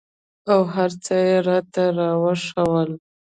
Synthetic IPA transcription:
awɦaɾt͡səjeɾɑt̪aɾɑwaʂəwəl

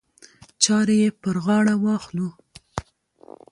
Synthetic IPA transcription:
t͡ʃɑɾejepəɾɣɑɽawɑxlu

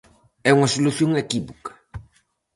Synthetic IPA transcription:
ɛuŋɐsoluθjoŋekiβokɐ̥

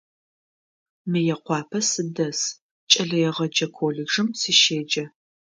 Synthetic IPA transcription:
mɨjɛqʷɑːpʰɐsɨdɐs | t͡ʃʼɐɮɐjɛʁɐd͡ʒɐkʷʰoːɮɪɡʒɨmsiʃeːd͡ʒɐ

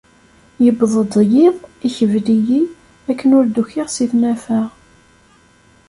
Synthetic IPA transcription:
jəbðˤəd̪ˤjɪðˤiçəvliji | ækːənʊɾd̪uçɪʁsiθnæfæʁ

